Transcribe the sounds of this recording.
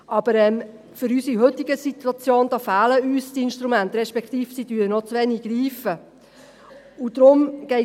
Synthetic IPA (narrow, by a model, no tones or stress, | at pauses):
ʔɑb̥əɾɛm | fʏɾysiɦɵt̪ːiɡəsit̪wɑt͡sjoːnd̥̪ɑːfæːləyːstiɪnʃt̪ɾumænt̪ɾɛʃpɛkt̪iːfsid̥yːɾənɔt͡sʋɛniɡɾiːfə | ud̥̪ɾʊmɡ̥ɛɪ